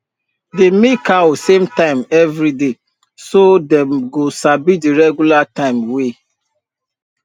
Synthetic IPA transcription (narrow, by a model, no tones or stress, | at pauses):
demekawsemtãɪ̃mɛvɾide | sodɛ̃mɡosabidiɾɛɡjulatãɪ̃mwe